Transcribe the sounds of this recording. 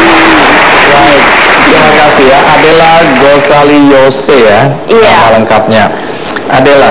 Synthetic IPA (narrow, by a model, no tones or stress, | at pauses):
ɾajt̪̚kɾimakasiɦjaʔadalahɡosalijosejaaaləŋkap̚ɲa | ʔadala